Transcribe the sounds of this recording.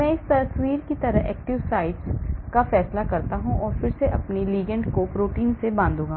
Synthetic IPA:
mɛ̃ɪst̪ɐswiːɾkit̪ɐɾəɦɛ̰ːk̚ʈɪʋsaːɪʈskafɛːslakɐɾt̪aɦũʔɔːɾfɪɾseʔɐpniliːɡə̃ɳɖkopɾoːʈiːnsebãːnd̪ũːɡaː

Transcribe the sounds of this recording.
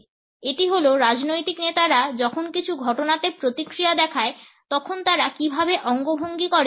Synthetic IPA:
eʈiɦoloɾad͡ʑnojt̪iknet̪aɾad͡ʑɔkʰonkit͡ɕʰuɡʱɔʈonat̪epɾot̪ikɾijad̪ɛkʰae | t̪ɔkʰont̪aɾakibʱabeʔɔŋɡobʱoŋɡikɔɾ

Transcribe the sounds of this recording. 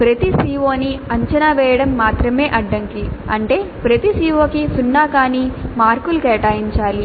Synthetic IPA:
pɾɐt̪isiːʋoːniɐɲt͡ʃɐnaʋɛːjɐɽɐmːaːt̪ɾɐme̞ːʔɐɖːɐŋkiɐɳʈe̞ːpɾɐt̪isiːʋoːkisunːaːkaːnimaːɾkulukɛːʈaːjiɲt͡ʃaːli

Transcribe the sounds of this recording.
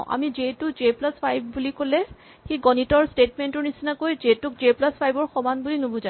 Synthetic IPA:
ʔa̰mizetʊzeplaspʰajbʱbulikolɛ | xiɡɔnitɔɹstetmentʊɹnisinakojzetʊk̚zeplaspʰajbɔɹxɔmanbulinobũza

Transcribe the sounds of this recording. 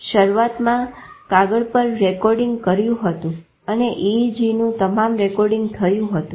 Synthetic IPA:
ʃəɾuʋat̪mãkaɡəɭpəɾːɛkɔɾɖɪ̃ŋɡkəɾjũɦət̪ũ | əneʔid͡ʒinũt̪əmamɾɛkɔɾɖĩŋɡt̪ʰəjũɦət̪ũ

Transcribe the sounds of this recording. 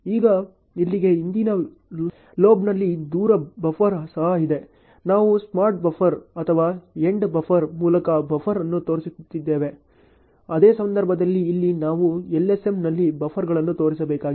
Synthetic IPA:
iːɡɐ | ilːiɡe̞ind̪inɐ | loːbnɐlːid̪uːɾɐbɐfʰɐɾɦɐsɐid̪e̞ | naːʋusmaːɾʈ̚bɐfʰɐɾɐt̪ʰɐʋaːeɳɖbɐfʰɐɾmuːlɐkɐbɐfʰɐɾɐnːut̪o̞ːɾisut̪t̪ːid̪ːe̞ːʋe̞ | ɐd̪eːsɐnd̪ɐɾbʱɐd̪ɐlːiːlːinaːʋuɛlːese̞mnɐlːibɐfʰɐɾɡɐɭɐnːut̪o̞ːɾis̬ɐbɛːkaːɡ

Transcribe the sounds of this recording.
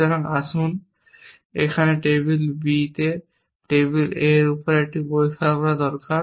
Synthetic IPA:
aɾaŋasun | ekʰaneʈebilbit̪e | ʈebileɾupɔɾek̚ʈibojkʰabɔɾad̪ɔɾka

